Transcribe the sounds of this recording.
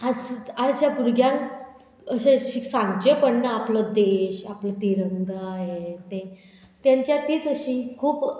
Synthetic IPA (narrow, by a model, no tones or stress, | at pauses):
ad͡zat͡ɕjapuɾɡʱjãn | əɕẽɕiksãŋɡd͡ʑepəɽnaaplɔd̪eɕapləːt̪iɾəŋɡaɦet̪ẽ | t̪jaɲt͡ɕjat̪iːt̪əɕĩːkʰuːp